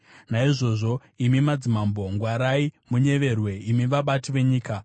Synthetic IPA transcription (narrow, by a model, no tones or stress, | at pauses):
naiʐo̞ːʐo̞ | imimad͡zimambo̞ŋɡwaɾaimuɲe̞ʋe̞rwe̞imiʋaɓatiʋe̞ɲiːka